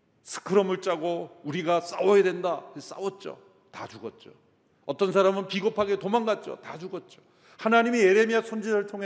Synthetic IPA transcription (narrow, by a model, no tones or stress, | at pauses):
sʰɯ̥kʰɯɾʌmɯɭt͡ɕ͈aɡouɾiɡas͈a̰wʌjadwe̞ndaes͈a̰wʌt̚t͡ɕ͈o̰ | tad͡ʑuɡʌt̚t͡ɕ͈o̰ | ʌt͈ʌns̬ʰaɾamɯnpiɡopʰaɡe̞tomanɡat̚t͡ɕ͈o̰tad͡ʑuɡʌt̚t͡ɕ͈o̥ | hanaɲimie̞ɾe̞miasʰʌnd͡ʑisɯɭtʰoŋe